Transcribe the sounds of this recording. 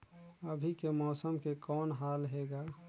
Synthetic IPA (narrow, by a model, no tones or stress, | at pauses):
əbʱikemɔːsəmkekɔːnɦaːlɦeːɡa